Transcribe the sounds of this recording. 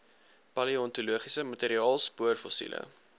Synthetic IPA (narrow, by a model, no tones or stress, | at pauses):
pɐliɔntuluəχisəmɐteːɾiɑːlˠspuərfɔsḭlə̰